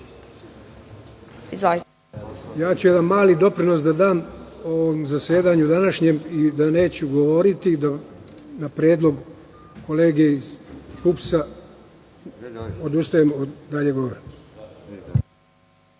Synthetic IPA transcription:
iza | jaːt͡ɕujed̪anmaːlid̪o̞pɾino̞sd̪ad̪aːmoʋomzaseːd̪aɲud̪anaʃɲemid̪ane̞ːt͡ɕuɡo̞ʋo̞ɾit̪id̪a | napɾe̞ːd̪lˠo̞ɡ | ko̞leːɡeiz̥pupsa | o̞d̪ust̪ajemd̪aʎe̞ɡooɾim

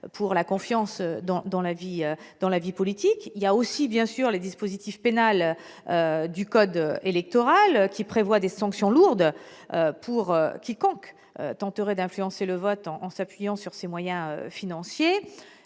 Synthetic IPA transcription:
pʰuʁlakɔ̃fjɑ̃sød̪ɑ̃d̪ɑ̃laviød̪̥ɑ̃lavipɔlit̪ikiljaosibjɛ̃syʁled̪ispozit̪ifpenal | ød̪ykɔd̪øelɛk̚t̪ɔʁalkʲipχevwad̪esɑ̃ksjɔ̃luʁd̪øpʰuʁøkʲikɔ̃k | ø̰t̪ɑ̃t̪əʁɛd̪ɛ̃flyɑ̃seləvɔt̪ɑ̃ʔːsapɥijɑ̃syʁsemwajɛ̃ø̰finɑ̃sje

